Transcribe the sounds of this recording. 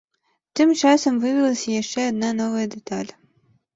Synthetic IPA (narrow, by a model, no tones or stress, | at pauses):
t̪ɪmt͡ʃɑsɔmvɪʋʲilˠɐsʲɐjiʃt͡ʃɛɐd̪nɑnɔʋɐjɐd̪ɛt̪ɑlʲ